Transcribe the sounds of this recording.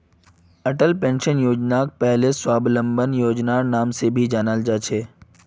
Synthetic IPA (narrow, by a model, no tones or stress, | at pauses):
ɐʈəlpẽːnʃənjoːd͡ʒnak̚pɛɦleswaːblə̃mbənjoːd͡ʒnanaːmsebʱid͡ʒaːnald͡ʒaːt͡ʃʰeː